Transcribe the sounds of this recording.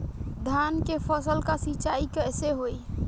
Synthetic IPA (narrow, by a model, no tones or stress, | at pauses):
d̪ʱankepʰəsəlkasit͡ʃaikeɛseɦoj